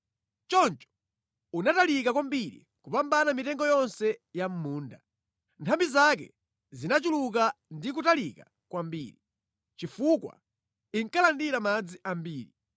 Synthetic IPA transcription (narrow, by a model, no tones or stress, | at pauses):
t͡ʃɔnt͡ʃɔ̥ | unatalikakwambiɾḭ | kupambanamitɛŋɡɔjɔnsɛjam̩muːnda̰ | ntʰambizak̬ɛ̰ | zinat͡ʃuluk̬andikutalika | kwambḭːɾi | t͡ʃifukwa̰ | iŋkalandiɾamad͡ziʔambiːɾi